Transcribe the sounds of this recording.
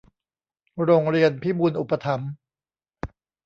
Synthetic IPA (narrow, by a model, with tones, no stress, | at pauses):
ɾoː˧ŋɾi˧ənpʰiː˥˩muː˧nʔu˨˩pa˧t̪ʰa˩˦m